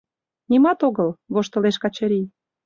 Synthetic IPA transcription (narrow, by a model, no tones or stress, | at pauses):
nʲimɑt̪oɣəlβoʃt̪ə̆leʃkɑt͡ɕɤ̆ɾʲij